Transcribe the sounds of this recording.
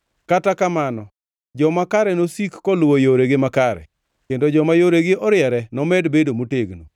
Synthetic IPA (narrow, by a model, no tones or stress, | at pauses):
katakamanɔ | d͡ʒɔmakaɾɛnosikːɔlwojoɾeɡɪmakaɾɛ̰ | kendod͡ʒɔmajoɾeɡɪɔɾɪɛɾɛnɔmɛdbedomoteɡnṵ